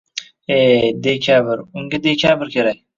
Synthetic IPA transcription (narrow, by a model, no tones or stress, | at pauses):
eːd̪ekʰʲaːbɪɾʊŋɡʲad̪ekʰʲaːbɪɾkʲʰeɾak̚